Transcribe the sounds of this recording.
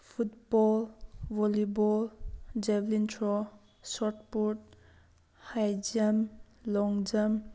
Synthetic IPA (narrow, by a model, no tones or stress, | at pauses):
pʰutbɔlbɔlibɔld͡ʒeblintʰɾɔ | sɔt̚puɾʈ̚ | hajd͡ʒamlɔŋd͡ʒam